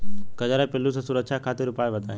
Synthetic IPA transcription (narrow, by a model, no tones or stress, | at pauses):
kɐd͡ʒaɾapɪlːusesʊɾəkʃʰakʰaːt̪iɾʊpaːjʋəd̪ʱa̰